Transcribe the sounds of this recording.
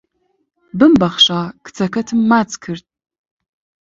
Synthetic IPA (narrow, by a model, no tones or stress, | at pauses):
bɨmbɐχɕaːkʰt͡sʰɐkʰɐtʰɨmːaːt͡sʼkʰɨrt̚ʼʰ